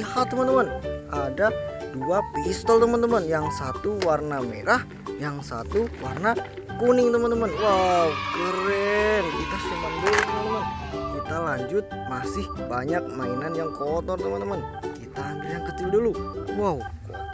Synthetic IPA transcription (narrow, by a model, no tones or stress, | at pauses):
hat̪ːəmənt̪əmənʔadaduapist̪əlt̪əmənt̪əmənjaŋsat̪uwarnamḛɾah | jaŋsa̰t̪uwarna | kunɪŋt̪əmənt̪əmənwaukəɾɛnt̪ik̪asumaŋdulut̪əmənt̪əmənkit̪alaɲd͡ʒʊt̪̚masɪhbaɲak̚maənanjaŋkot̪ɔrt̪əmə̃nt̪əmənkit̪aːndajaŋkət͡ʃɪlduluwawko̰